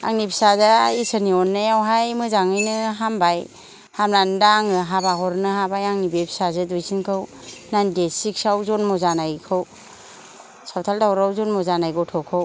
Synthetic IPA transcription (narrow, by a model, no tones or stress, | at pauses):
a̰ŋnipʰsazaisɯniɔnːajawɦajmɯzaŋɯjnɯɦambaj | hamnandaŋɯɦabaɦɔɾnɯɦabajaŋnibepʰsazɯdujsinkʰɯw | najndesik̚sawzɔnmɔzanajkʰɯw | sawtʰaldawɾawzɔnmɔzanajɡɔtʰɔkʰɯw